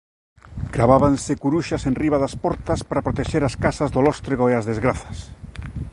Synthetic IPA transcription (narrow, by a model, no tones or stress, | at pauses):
kɾaβaβansekuɾuʃasenriβaðaspɔɾt̪aspaɾapɾot̪eʃeɾaskasazðolɔst̪ɾeɣoeazðezɣɾaθɐ̥s